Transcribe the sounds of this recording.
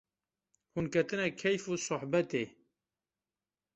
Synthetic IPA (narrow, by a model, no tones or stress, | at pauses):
hunkʰɛt̪ɨnɛkʰɛjfuːsʊħbɛt̪eː